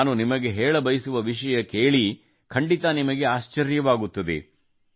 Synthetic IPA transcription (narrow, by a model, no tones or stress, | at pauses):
nunimɐɡe̞ɦɛːɭɐbɐjɐsuʋɐʋiʃɐjɐkeːɭi | kʰɐɳɖit̪ɐnimɐɡe̞aːʃt͡ʃɐɾjɐʋaːɡut̪ːɐd̪ḛ